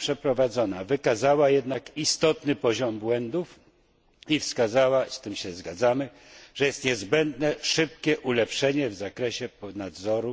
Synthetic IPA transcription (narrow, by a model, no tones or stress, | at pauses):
pʂɛpɾɔvad̪zɔnavɘkazawajɛd̪nakist̪ɔt̪nɘpɔʑɔmbwɛnd̪uf | ifskazawast̪ɘmɕɛzɡad̪zamɘ | ʐ̥ɛjɛst̪ɲɛzbɛnd̪nɛʂɘp̚kʲɛʔulɛpʂɛɲɛvzakɾɛɕɛnad̪zɔɾu